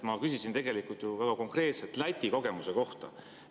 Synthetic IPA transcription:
mɑkysisint̪e̞ɡe̞likult̪juvæɡ̥ɑko̞ŋkre̞ːt̪set̪ˑlɑjt̪ʲːiko̞ɡe̞muse̞ko̞ht̪ɑ̰

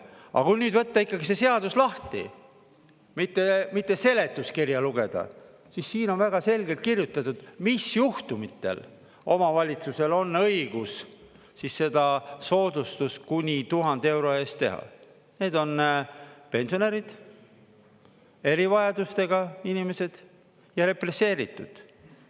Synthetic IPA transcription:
ɑ̰kunyːd̪vɤt̪ːɑikˑːɑɡise̞se̞ɑd̪uslɑht̪ḭ | mit̪ːe̞mit̪ːˑe̞se̞le̞t̪ːˑuskirjɑluɡ̥e̞d̪̥ɑ̰ | sisːiːno̞nvæɡ̥ɑse̞lɡe̞lt̪̚kirjut̪ːˑɑt̪ːud̪̥misjuht̪umit̪ːˑe̞̰l | o̞mɑvɑlʲit̪suse̞lo̞nːɤ̞iɡ̥us | sisːe̞d̪̥ɑso̞ːd̪ust̪uskunʲit̪uɦɑnd̪̥e̞wɾo̞e̞st̪ːe̞ɦɑ̰ | ne̞ːd̪̥o̞n | pe̞nso̞ne̞ɾid̪̥ | e̞ɾivɑjɑd̪ust̪e̞ɡ̥ɑinʲime̞se̞d̪̥ | jɑɾe̞pre̞se̞ːɾit̪ːˑṵd̪̥

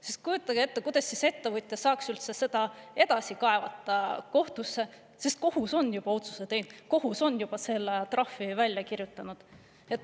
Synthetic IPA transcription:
sist̪̚kujut̪ːˑɑɡ̥eet̪ːekujd̪̥ɑsʲːise̞t̪ːe̞vɯɨt̪ʲːˑjɑsɑːksylt̪sese̞d̪̥ɑe̞d̪̥ɑsikɑe̞vɑt̪ːˑɑko̞ht̪usːe̞ | sist̪̚ko̞huso̞nːjub̥ɑo̞t̪su̥set̪e̞jn̥ko̞ɦuso̞nːjub̥ɑse̞lːet̪rɑfːivælʲjɑkirjut̪ːˑɑnud̪̥ | et̪ːˑ

